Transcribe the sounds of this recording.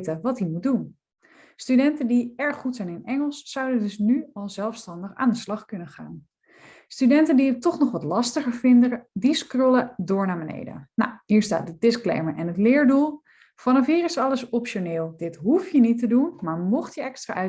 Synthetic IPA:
təʋɑtdimut̚dun | stydɛntəndiɛɹχːutsɛjnɪnɛŋəlˠsːʌwdədɵsnyɑlˠzɛlˠfstɑndəχa̰ːndəslɑχkɵnəχa̰ːn | stydɛntəndijətɔχnɔχʋɑtlɑstəχəɹvɪndədiskrɔlədʊːɹnaːbənḛjdə̰na̰wɦiːɹsta̰ːt̚dədɪsklḛjməɹʔɛnɦətlɪːɹdulˠ | v̥ɑnɑfɦiːrɪsɑləsɔpʃonɪːlˠdɪtɦufjənitədunmaːɹmɔχtjəɛkstra̰ːʔœ

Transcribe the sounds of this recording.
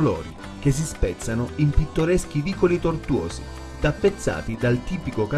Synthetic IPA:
lɔ̰ːɾi | k̟es̬ispɛt̪sːanʊimpit̪ːoɾɛsk̟iviːkolit̪ort̪wɔ̰ːzḭ | t̪apːet̪sːa̰ːt̪id̪alt̪iːpikoka

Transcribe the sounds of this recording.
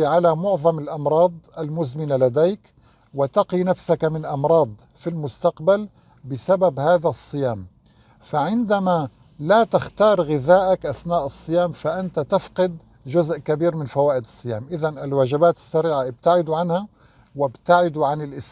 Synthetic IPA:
ʕalamʊʕðˤɑmɪlʔɑmɾˤɑːd̪ˤʔalmʊzmɪnalad̪eːk | wɪt̪ɑqinafsakmɪnʔɑmɾˤɑːd̪ˤ | filmʊst̪aqbal | bɪsababhaːðasˤːɨjaːm | faʕɪnd̪ama | lat̪ɪxt̪ɑːɾˤɣɪðaːʔakʔaθnaːʔɨsˤːɨjaːmfaʔant̪at̪ɪfqɨd̪ | ʒʊzʔkabiːɾmɪnfawaːʔɪd̪ɨsˤːɨja̰ːmʔɪðanɪlwaːʒɪbaːt̪ɪ̥sːaɾiːʕaʔɪb̚t̪aʕɪd̪uʕanha | wɪbt̪aʕɪd̪uʕanɪlʔɪs

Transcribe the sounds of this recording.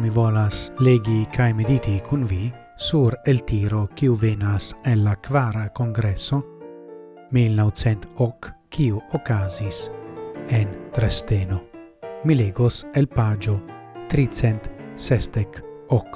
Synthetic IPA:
mivɔlasleɡikʰajmid̪it̪ikʰunvi | suɾelt̪iɾokiuvenaselakvaːɾakoŋɡɾɛsːo | milnow̪t͡sɛnt̪ɔkːkːiuokːaːzis | ent̪ɾest̪enomileːɡoselpad͡ʒot̪ɾit̪sɛnt̪sɛst̪ɛk | ɔk

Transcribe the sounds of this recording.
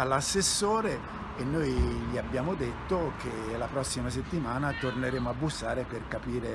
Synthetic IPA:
alːasːesːoːɾeː | nːojʎiabːjaːmod̪et̪ːok̟elapɾɔsːimaset̪ːimaːnat̪orneɾeːmoabːusːaːɾeperkapiːɾe

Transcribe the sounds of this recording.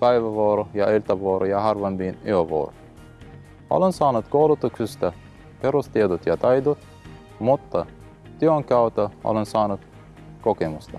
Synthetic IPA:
pæjʋæʋoːɾojɑilt̪ɑʋooɾʔojɑhɑrʋɑmbineoʋo̰ro | o̰lensɑːnut̪kowlut̪uksist̪ɑ | peɾust̪ied̪ot̪jɑt̪ɑjd̪ot̪ | mut̪ːɑ | t̪yoŋkæwt̪ːɑo̰lensɑːnut̪ | kokemust̪ɑ

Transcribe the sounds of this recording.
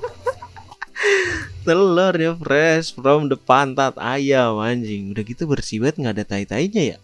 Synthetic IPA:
t̪əlɔrɲafrɛsfɾɔmdəpant̪at̪a̰jamaɲd͡ʒɪŋudakit̪ubərsibat̪̚ŋɡadat̪ait̪aiɲaja̰

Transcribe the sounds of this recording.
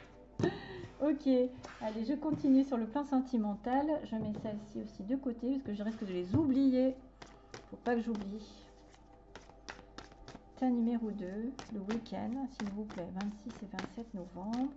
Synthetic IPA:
ɔkʲealeʒəkɔ̃t̪inɥesyʁləplɑ̃sɑ̃t̪ʰimɑ̃t̪alʒəmɛsɛlsiosid̪əkot̪episə̥kəʒəd̪iʁɛskəd̪əlezublije | fopakəʒubli | t̪ɛ̃nymeʁod̪øləwikʲɛ̰nd̪silvuplɛvɛ̃t̪sisevɛ̃t̪sɛt̪nɔvɑ̃bʁ

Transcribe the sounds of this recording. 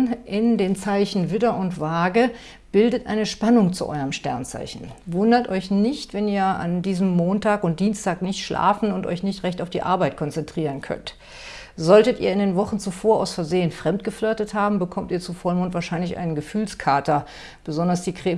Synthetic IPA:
ʔɪndeːnt͡saɪçn̩vɪdɐʔʊntv̥aːɡə | b̥ɪldətʔa̰ɪnəʃpanʊŋt͡sṵʔɔ̰ʏʁəmʃtɛ̰ɐnt͡sa̰ɪçn̩vʊndɐtʔɔʏçnɪçtv̥ɛniːɐa̰ndiːzəmːoːntʰaːkʊnt̚d̥iːnstʰaːknɪçtʃlʔa̰ːfn̩ʊntʔɔ̰ʏçnɪçtʁɛçtaʊfd̥iːʔa̰ɐbaɪt̚kʰɔnt͡sɛntʁ̥iːʁənkʰœ̰nt | z̥ɔltətʔiːɐɪndeːnvɔχn̩t͡sufoːɐʔa̰ʊsfɛɐzeːənfʁ̥ɛmtɡ̥əfløːtəthaːbm̩bəkʰɔmtiːɐt͡sufɔɐmʊntvaːɐʃaɪnlɪçʔa̰ɪnənɡəfyːlskʰaɐtɐ | b̥əzɔndɐsd̥iːkʁ̥eː

